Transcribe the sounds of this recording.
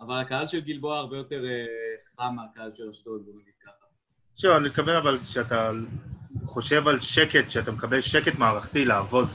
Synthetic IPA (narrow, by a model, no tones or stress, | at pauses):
avalakaalʃelɡilboaːʁbejo̞t̪eʁeχamakaalʃelaʃtotbonaɡid̪̚kaχa | ʃuvanit̪kavenavalʃeat̪a | χo̞ʃe̞valʃeket̪ʃeat̪amekabe̞lʃeketmaːʁaχt̪ilaːvo̞d̪